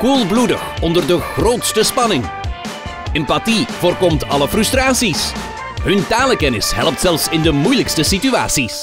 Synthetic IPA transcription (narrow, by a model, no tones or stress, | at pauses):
kulˠbludəxɔndərdəχroːtstəspɑnɪŋ | ɛmpativoːrkɔmtɑləfrystraːsis | ɦɵntaːləkɛnɪsɦɛ̰lˠp̚tsɛlˠfsɪndəmujləkstəsitya̰ːtsis